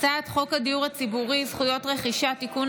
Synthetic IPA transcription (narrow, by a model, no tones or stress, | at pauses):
t͡satχo̞khadiuʁhat͡sibuʁizχujo̞tʁe̞χiʃat̪ikun